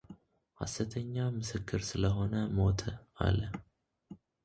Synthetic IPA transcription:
ha̰sɨt̪ʰəɲːamɨsɨkʰːɨɾsɨləɦo̞nəmo̞t̪ʰa̰lə

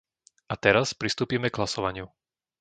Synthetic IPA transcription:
at̪ɛɾaspɾist̪uːpiːmɛɡlasɔʋaɲɪu

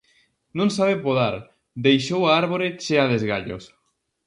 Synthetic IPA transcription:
nõŋsaβepoðaɾ | d̪ejʃowaaɾβoɾet͡ʃeaðezɣaʎo̰s

